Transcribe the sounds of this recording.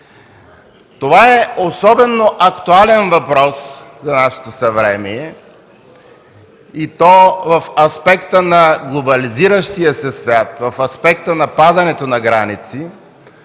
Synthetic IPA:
t̪ovaɛosɔbɛnːoʔɐkt̪ualɛnvɐpɾɔszɐnaʃɛ̥t̪osɐvɾɛmiɛ | it̪ɔvɐfɐspɛkt̪ənɐɡlˠobɐliziɾəʃt̪ijəsɛsvʲjat̪vɐfɐspɛk̚t̪ənɐpad̪ɐnɛt̪onɐɡɾanit̪si

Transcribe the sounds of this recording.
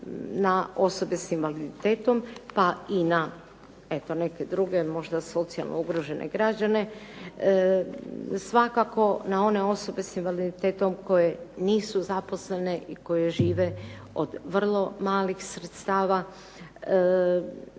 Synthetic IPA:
nao̞so̞be̞sinʋalid̪it̪e̞ːt̪o̞mpaina | e̞t̪o̞ne̞ke̞d̪ɾuɡe̞mo̞ʒd̪aso̞t̪sia̰lˠnʔouɡɾoʒe̞nʔḛɡɾad͡ʑane̞ | sʋakako̞nao̞ne̞o̞so̞be̞sinʋalid̪it̪eːt̪o̞mko̞jeniːsuzapo̞sle̞ne̞ʔiko̞je̞ʒiːʋe̞ | o̞̰d̪ʋr̩lˠo̞maːlixsɾet̪st̪aːʋa

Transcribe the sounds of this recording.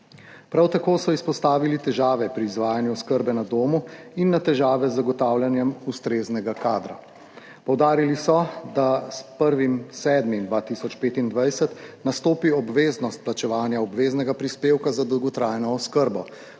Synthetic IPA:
pɾawt̪akoːsɔispɔst̪aːʋilit̪ɛʒaːʋɛpɾiːzʋaːjanjuɔskəɾbɛnad̪oːmuinːat̪ɛʒaːʋɛzːaɡɔt̪aːwljanjɛmust̪ɾeːznɛɡakaːd̪ɾa̰ | pɔwd̪aːɾilisɔd̪aspəɾʋimsɛːd̪mimd̪ʋaːt̪iːsɔt͡ʃpeːt̪ind̪ʋajsɛt̪nast̪oːpiɔbʋeːznɔst̪̚plat͡ʃɛʋaːnjaɔbʋeːznɛɡapɾispeːwkazad̪ɔwɡɔt̪ɾaːjnɔːskəɾbɔ

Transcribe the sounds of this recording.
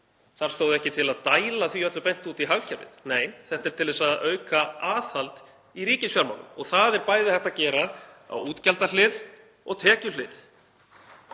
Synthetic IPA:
θaɾ̥st̪oːwðɪɛhcɪt̪ʰɪlaðt̪aːjlaθviœt̪lʏpejn̥t̪uːt̪iɦaɣcʰaɾvɪ̰ðneːjθɛht̪ɛɾ̥t̪ʰɪlðvɛsaðœːɥkaaːθhalt̪ | iɾiːcɪsfjaɾma̰wnʏ̰mɔɣθaðɛɾpaːjðɪθɛht̪acɛːɾaa̰wuːt̪calt̪alɪð | ɔɣt̪ʰɛːcʏlɪð

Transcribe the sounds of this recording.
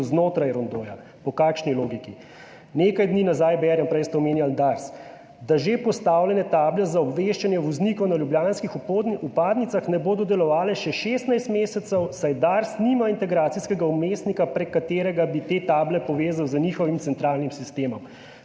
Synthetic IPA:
znoːt̪ɾajɾɔnd̪oːja | pɔkaːkʃniloːɡiki | nekajd̪niːnazaːjbɛːɾɛmpɾɛjst̪ɛɔmeːnjald̪aɾs | d̪aʒepɔst̪aːwlʲɛnɛt̪aːblɛzaɔbʋeʃt͡ʃanjɛʋɔznikɔwnaljubljaːnskixd̪upaːd̪nit̪saxnɛboːd̪ɔd̪ɛlɔʋaːlɛʃɛʃeːst̪najst̪meːsɛt̪sɛwsajd̪aɾsnimaint̪ɛɡɾaːt̪siskɛɡaumest̪nikapɾɛkːat̪eːɾɛɡabit̪et̪aːblɛpɔʋeːzawzənixɔʋimt̪sɛnt̪ɾaːlnimsist̪eːmɔm

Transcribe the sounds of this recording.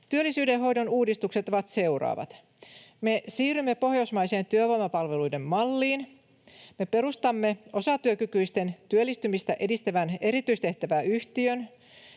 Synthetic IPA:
t̪yølːisyːdeɦo̞jdonuːdist̪ukset̪oʋɑt̪se̞urɑ̰ːʋɑ̰t̪ | me̞siːrymːe̞po̞hjosmɑjse̞ːnt̪yøʋomɑpɑlʋe̞lujde̞mːɑlːiːn | me̞pe̞ɾust̪ɑmːe̞ʔo̞sɑt̪yøkykyist̪e̞nt̪yølːist̪ymist̪æʔe̞dist̪æʋæne̞ɾit̪yist̪e̞ht̪æʋæːyht̪iøn

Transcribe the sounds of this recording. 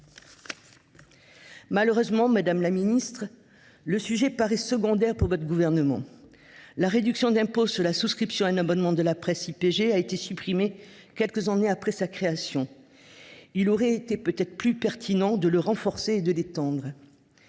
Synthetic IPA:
maləʁøzmɑ̃mad̪amlaminist̪χ | ləsyʒɛpaʁɛsəɡɔ̃d̪ɛʁpuʁvɔt̪χəɡuvɛʁnəmɑ̰̃ | laʁed̪yksjɔ̃d̪ɛ̃posyʁlasuskχipsjɔ̃ɛ̃nabɔnmɑ̃d̪əlapχɛsipeʒeaet̪esypχime | kʲɛlkəzɑ̃neapχɛsakχeasjɔ̃ | ilɔʁɛet̪epøt̪ɛt̪χəplypɛʁt̪ʰinɑ̃d̪ələʁɑ̃fɔʁseːd̪əlet̪ɑ̃d̪ʁ

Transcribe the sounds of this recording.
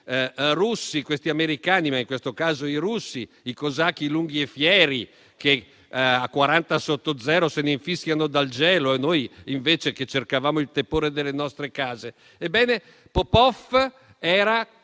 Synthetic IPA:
rusːikwest̪iameɾikaːnimaiŋkwest̪okaːzoiɾusːi | ikozak̟ːiluŋɡiefjɛːɾi | ke | akːwaɾant̪asot̪ːod̪zɛːɾoseneiɱfiskʲjanod̪alt͡ʃɛːloenojiɱveːt͡ʃeket͡ʃːerkavaːmoilt̪epoːɾed̪elːenɔst̪ɾekaːze | ebːɛːne | popɔf | ɛːɾa

